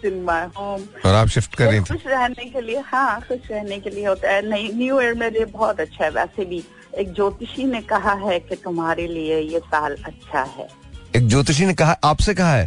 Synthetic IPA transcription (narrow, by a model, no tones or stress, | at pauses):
sɪnmaːɦoːm | ɔːɾaːpʃɪfʈkɐɾːẽet̪ʰʊʃɾɛɦnekeliehãːxʊʃɾɛɦnekelieɦoːt̪aɦɛnɐĩnjueːɾmẽliebɔːt̪ɐtːʃʰaɦɛʋɛ̰ːsebʱi | eːk̚d͡ʒoːt̪ɪʃinekɐɦaɦɛket̪ʊmɦaːɾeliejesaːlɐtːʃʰa̰ɦɛ̰ːeːk̚d͡ʒoːt̪ɪʃ̬inekɐɦaʔaːpsekɐɦaɦɛː